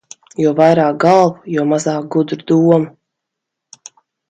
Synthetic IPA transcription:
juɔvajɾaːk̚ɡalˠvujuɔmazaːk̚ɡud̪ɾud̪uɔmu

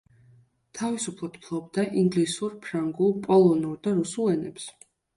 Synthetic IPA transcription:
t̪ʰavisupʰlˠɔd̪̥pʰlˠɔb̚d̪aʔiŋɡlisuɾpʰɾaŋɡulˠpʼɔlˠɔnuɾd̪aɾusulˠɛnɛps

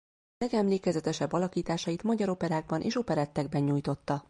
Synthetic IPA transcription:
lɛɡɛmleːkɛzɛt̪ɛʃɛbːɒlɒkiːt̪aːʃɒjit̪mɒɟɒɾo̞pɛɾaːɡ̚bɒnʔḛːʃo̞pɛɾɛt̪ːɛɡ̚bɛɲɲuːjt̪o̞t̪ːɒ

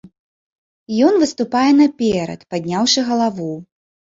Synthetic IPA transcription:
jɔnvɨst̪upajɛnɐpʲɛɾɐ̰t̪pad̪ʲnʲawʂɨɣɐlˠavu

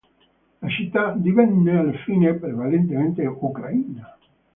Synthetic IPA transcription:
lat͡ʃit̪ːad̪ivɛnːealfiːnepɾevalent̪ement̪eukɾaiːna

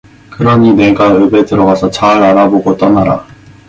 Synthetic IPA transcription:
kɯɾʌɲine̞ɡaɯbe̞tɯɾʌɡasʰʌt͡ɕaɾaɾaboɡot͈ʌnaɾa̰

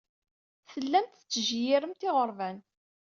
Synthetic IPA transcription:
θəlːæmt̪ət͡sːəʒjɪɾəmt̪ɪʁəɾˤvæn

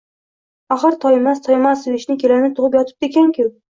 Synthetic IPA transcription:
aχɨɾt̪ʰɒjemast̪ʰɒjemasveʃnɪkʲʰe̞lanɪt̪ʰʊʁɨp̬jɒt̪ʰɪ̥p̚d̪ekʲaŋkʰʲʊ

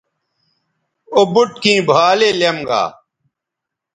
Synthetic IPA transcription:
obʊʈ̚kĩːbʱaːleːlɐmɡa̰ː

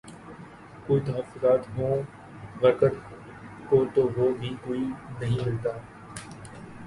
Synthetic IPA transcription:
koːit̪ɐɦəfʊzaːt̪ɦõː | ʋɐɾkəʈ̪ | kot̪oːʋoːbʱikoːinɐɦĩlɐɡt̪aː

